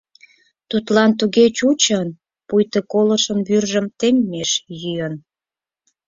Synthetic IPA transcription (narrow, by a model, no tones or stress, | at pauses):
t̪ut̪lɑnt̪̬uɣet͡ɕut͡ɕən | pujt̪əkoləʃənβyrʒəmt̪emːeʃjyjən